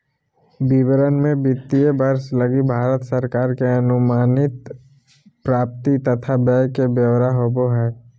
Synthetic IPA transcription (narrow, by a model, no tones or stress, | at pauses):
bɪʋəɾənmẽbɪt̪ːijəbəɾsləɡibʱaːɾət̪səɾkaːɾkeɐnʊmaːnɪt̪ | pɾaːp̚t̪it̪ɐt̪ʰabɛjkebjəʋɾaɦoboɦɛː